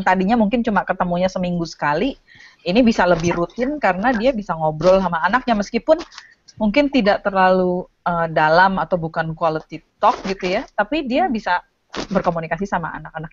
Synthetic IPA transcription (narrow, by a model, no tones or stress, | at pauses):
nt̪adiɲamuŋkɪnt͡ʃumakət̪əmuɲasəmiŋɡusə̥kali | inibisaləbɪhɾut̪ɪnkaɾənadiabisaŋobɾɔlsamaːnak̚ɲaməskipʊn | muŋkɪnt̪idaʔ̚t̪ərlalu | ədalamat̪awbukankualət̪it̪ɔk̚ɡit̪ujat̪apidiabisa | bərkomunikasisama̰a̰nak̚anak̚a